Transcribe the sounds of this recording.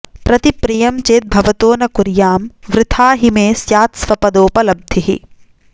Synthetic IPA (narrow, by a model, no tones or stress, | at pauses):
pɾɐt̪ipɾijɐmt͡ʃeːt̪̚bʱɐʋɐt̪oːnɐkuɾjaːmʋɾɪt̪ʰaːɦimẽːsjaːt̪sʋɐpɐd̪oːpɐlɐb̚d̪ʱiɦḭ